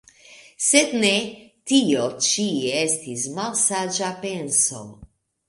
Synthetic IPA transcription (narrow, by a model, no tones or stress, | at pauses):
sed̪net̪iot͡ʃiestismalsad͡ʒapenso̰